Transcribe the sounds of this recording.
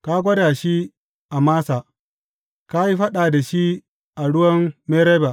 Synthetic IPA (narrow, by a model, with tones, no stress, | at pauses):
ka˦ɡʷɐ˦daː˨ʃi˦ | ʔa˨maː˦saː˨ | ka˦ji˦ɸɐ˦ɗaː˨da˨ʃi˦ | ʔa˨ɽʊ˦wɐ˦mmeː˦ɾeː˦ba˨ʔ